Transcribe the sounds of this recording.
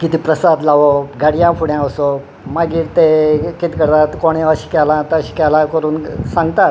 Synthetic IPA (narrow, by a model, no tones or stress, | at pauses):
kit̪iːpɾəsad̪laʋoɡaɽjãpʰuɽjãəso | maɡiːɾt̪ekit̪kəɾt̪at̪koɽ̃eəɕi̥ːkɛlãt̪əɕi̥kɛlakəɾuːnsãŋɡt̪at̪